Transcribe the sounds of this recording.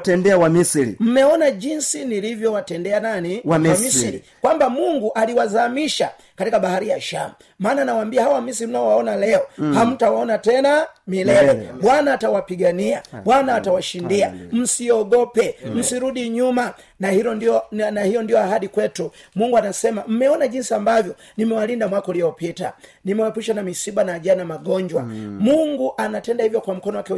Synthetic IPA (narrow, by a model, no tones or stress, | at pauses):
tɛndɛawamisɾḭm̩mɛɔnaʄinsinilivjɔwatɛndɛananimisiɾikwambamuŋɡuʔaliwazamiʃa | katikaɓahaɾijaʃamu | maːnanawambiahawamis̬iɾim̩naɔwaɔnalɛɔham̩tawaɔnatɛnamilɛɛɓwanaːtawapiɡaniaɓwanaːtawaʃindia̰m̩siɔɡɔpɛm̩siɾuɗiɲuma | nahiɾɔniɔnahijɔndijɔahaɗikwɛtumuŋɡuanasɛmam̩mɛɔnaʄinsiambavjɔ | nimɛwalindamwakɔliɔpita̰nimɛwapuʃanamisibanaːʄanamaɡɔɲd͡ʒwa̰muŋɡuʔanatɛndahivjɔkwam̩kɔnɔwakɛ